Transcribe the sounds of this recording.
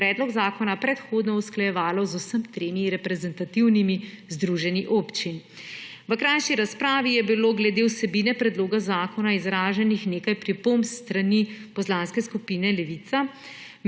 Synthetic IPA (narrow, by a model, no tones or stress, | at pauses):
ɾɛːd̪lɔɡzaːkɔnapɾɛt̪xoːd̪nɔusklajɛʋaːlɔzusəmt̪ɾeːmiɾɛpɾɛzɛnt̪at̪iwnimi | zd̪ɾuʒɛniʔoːpt͡ʃin | ʋəkɾajʃiɾaspɾaːʋijɛbiloɡlɛd̪ewsɛbiːnɛpɾɛd̪loːɡazaːkɔnaizɾaːʒɛnixneːkajpɾipomst̪ɾanipɔslãnskɛskupiːnɛlɛʋit̪sa | m